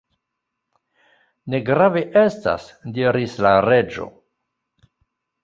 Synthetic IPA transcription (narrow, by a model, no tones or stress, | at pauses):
ne̞ɡɾaveʔe̞sta̰sdiɾislaɾe̞d͡ʒo̞̰